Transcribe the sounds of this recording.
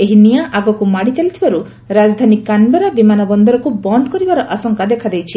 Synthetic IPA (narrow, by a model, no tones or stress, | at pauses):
eɦinijaʔaɡɔkumaɽit͡ʃalit̪ʰibaɾu | ɾad͡ʒɔd̪ʱanikanbeɾɔbimanɔbɔnd̪ɔɾɔkubɔnd̪ɔkɔɾibaɾɔʔasɔŋkad̪ekʰad̪ejt͡ʃʰi